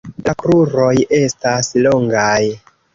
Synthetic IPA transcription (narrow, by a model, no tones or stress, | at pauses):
dakɾuɾo̞je̞stasloŋɡaj